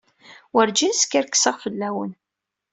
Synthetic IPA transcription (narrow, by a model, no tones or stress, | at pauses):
wəɾd͡ʒinskːæɾkːsəʁfəlːæwən